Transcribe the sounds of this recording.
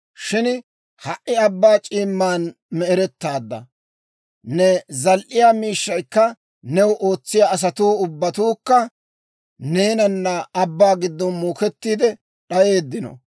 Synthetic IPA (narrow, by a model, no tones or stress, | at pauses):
ʃɪn | hɐʔɪɐbːaːt͡ʃʼiːmːaːn | mɛɛɾɛt̪ːaːd̪ːɐ̰ | nɛzɐlʔɪjaːmiːʃːɐjkːɐ | nɛwʔo̞ːt͡sːɪjaːs̬ɐt̪uːʊbːɐt̪uːkːɐ | ne̞ːnɐnːɐɐbːaːɡɪd̪ːɔnmuːkɛt̪ːiːd̪ɛ | ɗɐje̞ːd̪ːɪnɔ̰